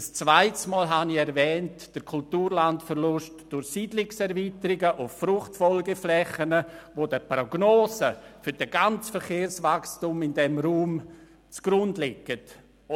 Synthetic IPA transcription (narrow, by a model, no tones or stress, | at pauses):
əst͡svaɪtsmɔːlɦaniɛɾvɛːnt | d̥əɾkʰultuːɾlantfəɾlʊʃtd̥ʊɾxsiːdlɪksɛɾviːtəɾɪɡəʔʊffrʊχtfɔlɡəflɛχənəvodəproɡ̥noːzəfʏɾd̥əɡant͡sfəɾχeːɾsvakstumɪndɛmɾuːm | t͡sɡ̥ɾʊndlɪkːət